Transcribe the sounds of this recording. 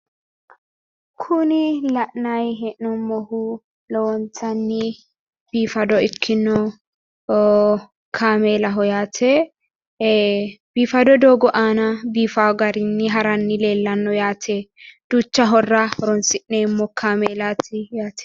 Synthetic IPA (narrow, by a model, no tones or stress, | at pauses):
kʰʊnɪlɐʔnɐjɦɛʔnɔmːɔhʊ | lɔwɔnt͡sɐnːɪ | b̥iːfɐd̪ɔɪkʰːɪnːɔ | kʰaːmeːlɐɦɔjaːt̪ʰɛ | b̥iːfɐd̪ɔd̪oːɡɔʔaːnɐbiːfaɡɐɾɪnːɪɦɐɾɐnːɪleːlːɐnːɔjaːt̪ʰɛd̪̥ut͡ʃːɐɦɔrːɐhɔɾɔnsɪʔnemːɔkʰaːmeːlat̪ʰɪjaːt̪ʰɛ̥